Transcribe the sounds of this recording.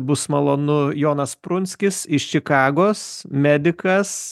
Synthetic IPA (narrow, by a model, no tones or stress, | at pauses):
bʊsmɐlˠoːnʊjoːnɐspɾʊnʲsʲkʲɪsɪʃt͡ʃʲɪkɑːɡoːsmʲæːd̪ʲɪkɐs